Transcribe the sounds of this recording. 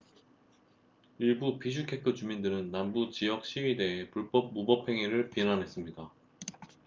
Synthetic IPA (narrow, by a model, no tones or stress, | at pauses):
iɭbupiɕ̬ʰukʰe̞kʰɯt͡ɕumindɯɾɯnːambut͡ɕijʌk̚ɕ͈iɥide̞epuɭp͈ʌp̚mubʌpʰe̞ŋiɾɯɭpinanɦe̞s͈ɯmɲida